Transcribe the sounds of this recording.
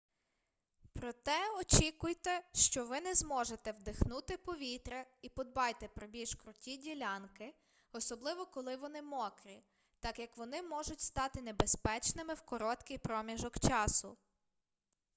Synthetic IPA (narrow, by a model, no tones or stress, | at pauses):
pɾɔt̪ɛɔt͡ʃʲikʊjt̪ɛʃt͡ʃɔʋɪnɛzmɔʒet̪ɛwd̪ɪxnut̪ɪpɔʋʲit̪ɾɛipɔd̪̚bɑjt̪ɛpɾɔbʲilʲʃkɾʊtʲidʲilʲɑnkɪ | ɔsɔblˠɪʋɔkɔlˠɪʋɔnɪmɔkɾʲi | t̪ɑkjɐkʋɔnɪmɔʒʊtʲst̪ɑt̪ɪnebespɛt͡ʃnɪmɪwkɔɾɔt̪kɪjpɾɔmʲiʒɔkt͡ʃɑsʊ̰